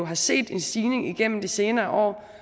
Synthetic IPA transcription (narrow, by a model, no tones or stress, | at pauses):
oɦɑ̈se̝̰ːd̥e̝nsd̥iːne̝ŋiɡ̥en̰m̩d̥ese̝ːnɐːʔɒ̰ː